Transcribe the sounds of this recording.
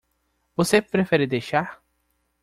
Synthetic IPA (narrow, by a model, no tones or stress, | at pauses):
vosepɾefɛɾɪd̪ejʃaɾ